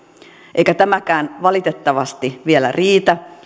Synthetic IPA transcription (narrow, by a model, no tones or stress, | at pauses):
ʔeikæt̪æmækæːnʋɑlit̪et̪ːɑʋɑst̪iʋielæ̰riːt̪æ